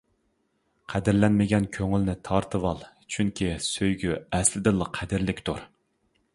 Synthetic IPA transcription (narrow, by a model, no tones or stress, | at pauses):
qʰɛd̪ɪɾlɛnmɪɡʲɛnkʲʰøŋylnɪt̪ʰɑɾt̪ʰɨwɑlˠt͡ʃʰyŋkʲisøjɡʲyɛslɪd̪ɨlˠːəqʰæd̪ɪɾlɪkʲt̪ʰuɾ